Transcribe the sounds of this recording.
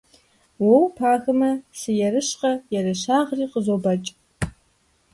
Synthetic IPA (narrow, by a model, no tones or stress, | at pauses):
wɐwpʰaːxɐmɐsɨjɛɾɨɕqɐjɛrɨɕaːʁriːqəzobɐt͡ʃʼ